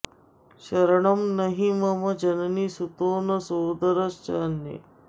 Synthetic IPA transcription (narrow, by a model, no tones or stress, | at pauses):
ɕəɾɳəmnəɦiməməd͡ʑənniːsut̪oːnəsoːd̪əɾəst͡ɕanjḛ